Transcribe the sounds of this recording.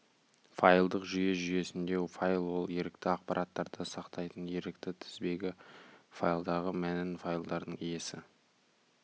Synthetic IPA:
fɑjlˠd̪əqʒʏje̞ʒʏje̞sɪnd̪e̞fajlˠwo̞lˠje̞ɾɪk̚t̪ɪɑq̚pɑɾʔɑt̪ːɑɾd̪əsɑqt̪ɑjt̪ənje̞ɾɪkt̪ɪt̪ʰʏ̥zbe̞ɡʲɪfajlˠd̪ɑʁəmænɪnfajlˠd̪ɑɾd̪əɴije̞sɪ

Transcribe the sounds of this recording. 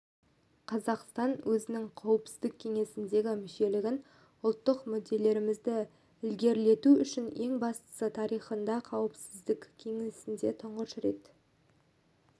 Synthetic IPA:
qʰɑzɑqst̪ɑnwʔɵzɪnɪŋqʰɑwəpsɪzd̪ɪkʲʰe̞ŋe̞sɪnd̪e̞ɡʲɪmʏʃe̞lɪɡʲɪn | ʊlˠt̪ːəqmʏd̪ːe̞le̞ɾɪmɪzd̪ɪ | ɪlɡʲe̞ɾle̞t̪uʏʃɪne̞ŋbɑst̪ə̥sət̪ʰɑɾijχənd̪ɑqʰɑwəpsɪzd̪ɪkʲkʲʰe̞ŋsɪnd̪e̞t̪ʰʊɴʁəʃɾe̞̰t̪

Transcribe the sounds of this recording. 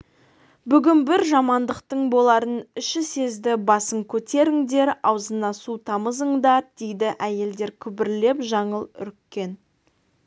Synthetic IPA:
bʏɡʲɪnbɪɾʒɑmɑnd̪əqt̪əɴbo̞lˠɑɾənʏʃɪse̞zd̪ɪbɑsəŋkʲʰɵt̪e̞ɾɪŋd̪e̞ɾɑwzənɑsut̪ʰɑməzəɴd̪ɑɾd̪̥e̞jd̪ɪʔæje̞ld̪e̞ɾkʲʰʏbɪɾɪle̞pʒɑɴəlˠʏ̰ɾkʲːe̞n

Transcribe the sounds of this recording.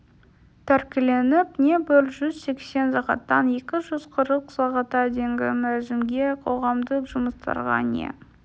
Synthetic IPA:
t̪ʰæɾkʲɪle̞nɪpne̞bɪɾʒʏzse̞kse̞nsɑqɑ̰t̪ːɑnje̞kʲɪʒʏz̥qʰəɾəqsɑʁɑt̪ɑd̪e̞ŋɡʲɪ̰mæʒɪmɡʲe̞qʰo̞̰ʁɑmd̪əqʒ̥ʊməst̪ɑ̰ɾʁɑ̰nʲḛ

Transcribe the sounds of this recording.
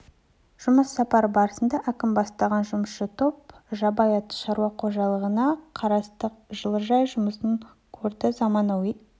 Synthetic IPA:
ʒ̥ʊməsːɑpɑɾbɑɾəsənd̪ɑʔækʲɪmbɑst̪ɑʁɑnʒʊməʃʃət̪ʰo̞p̚ʒɑbɑjɑt̪ə̥ʃɑɾuɑqʰo̞ʒɑlˠəʁənɑqʰɑɾɑst̪əq̚ʒəlˠəʒɑjʒʊməsəŋ | kʲʰɵɾd̪ɪzɑmɑnɑwi

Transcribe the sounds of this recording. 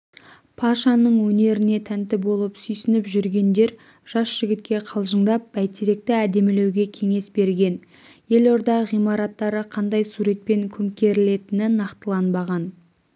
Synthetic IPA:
pʰɑʃɑnəɴwɵne̞ɾɪne̞t̪ʰænt̪ɪpbo̞lˠəpsʏjsɪnɪpʒʏɾɡʲe̞nd̪e̞ɾ | ʒ̥ɑsʒ̥ɪɡʲɪt̪̚kʲe̞qʰɑlˠʒəɴd̪ɑp̚b̥æjt̪eɾe̞k̚t̪ɪæd̪e̞mele̞wɡʲe̞kʲʰe̞ŋe̞sbe̞ɾɡʲe̞n | je̞lo̞ɾd̪ɑʁəʁijmɑɾɑt̪ːɑɾəqʰɑnd̪ɑjsuɾe̞t̪̚pe̞ŋkʲʰʏmkʲe̞ɾɪle̞t̪ɪnɪnɑqt̪əlˠɑnbɑʁɑn

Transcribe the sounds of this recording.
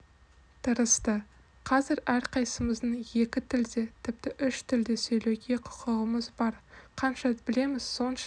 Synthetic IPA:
t̪ʰəɾəst̪ə | qʰɑzɪɾæɾqʰɑjsəməzd̪əɴje̞kʲɪt̪ʰɪld̪et̪ʰɪp̚t̪ɪʔʏʃt̪ʰɪld̪ɪsɵjle̞wɡʲe̞qʰʊ̥qʰəʁəməzbɑɾqʰɑnʃɑd̪bɪle̞mɪz̥so̞nʃ

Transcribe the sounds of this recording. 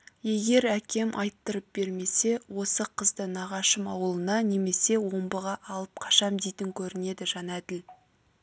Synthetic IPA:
je̞ɡʲe̞ɾækʲe̞mʔɑ̰jt̪ːəɾəp̚b̥e̞ɾme̞se̞wo̞səqʰəzd̪ənɑʁɑʃəmɑwəlˠənɑne̞me̞se̞wo̞mbəʁɑʔɑlˠəp̚qʰɑ̥ʃɑmd̪ejt̪ɪŋkʲʰɵɾɪne̞d̪ɪʒɑnæd̪ɪl

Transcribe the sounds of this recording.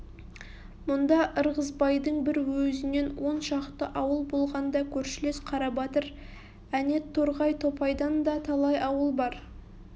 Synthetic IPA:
mʊnd̪ɑʔəɾʁəzbɑjd̪əɴbɪɾwɵzɪne̞nwo̞nʃɑqt̪əʔɑwəlˠbo̞lˠʁɑnd̪ɑkʲʰɵɾʃɪle̞sqʰɑɾɑbɑt̪əɾ | æne̞t̪ʰːoɾʁɑjt̪ʰo̞pɑjd̪ɑnd̪ɑt̪ʰɑlˠɑjɑwəlˠbɑɾ

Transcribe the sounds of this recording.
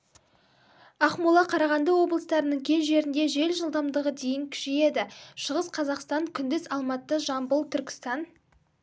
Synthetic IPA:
ɑqmulˠɑqʰɑɾɑʁɑnd̪əwo̞blˠəst̪ɑɾənəɴkʲʰenʒe̞ɾɪnd̪e̞ʒe̞lʒəlˠd̪ɑmd̪əʁəd̪e̞jɪŋkʲʰʏ̥ʃeje̞d̪ɪʃəʁəsqʰɑzɑqst̪ɑŋkʲʰʏnd̪ɪsɑlˠmɑt̪əʒɑmbəlˠt̪ʰʏɾkʲɪ̥st̪ɑn

